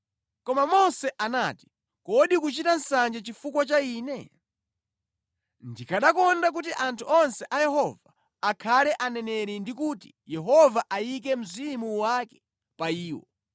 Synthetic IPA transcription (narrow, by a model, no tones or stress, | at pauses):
kɔmamɔsɛʔanaːti̥ | kɔɗikut͡ʃitan̩sand͡ʒɛt͡ʃifukwat͡ʃaiːnɛ | ndikʰaɗakɔndak̬ut̬iʔantʰuɔnsɛʔajɛɦɔvaː | kʰalɛʔanɛnɛɾindikuti̥ | jɛɦɔvaʔajikɛm̩zimuwakɛ̥ | paiːwɔ̰